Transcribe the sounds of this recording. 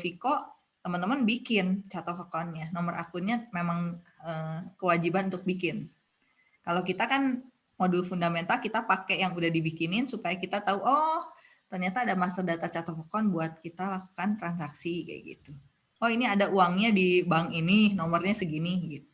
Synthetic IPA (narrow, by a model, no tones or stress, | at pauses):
fiko | t̪əmənt̪əmənbikɪnt͡ʃat̪ofəkɔnjanɔmərʔa̰kʊnɲamemaŋəkəwad͡ʒibanunt̪ʊk̚bikɪn | kalokit̪akan | modulfundament̪alkit̪apakɛjaŋudahdibikinɪnsupajakit̪at̪auʔɔh | t̪ərɲat̪aːdamasadat̪at͡ʃat̪ɔfɔkɔnbuat̪̚kit̪alaku̥kant̪ɾansaksiɡa̰jɡḭt̪u | ɔhiniadauaŋɲadibaŋininɔmərɲasəɡiniɡit̪u